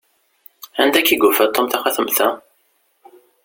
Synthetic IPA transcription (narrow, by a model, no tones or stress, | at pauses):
ænd̪ækːiɡufæt̪ˤːomθæχæθəmθæ̰